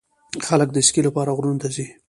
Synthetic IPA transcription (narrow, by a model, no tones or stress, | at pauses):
xalək̚d̪əɪskilapɑɾaɣɾunt̪azi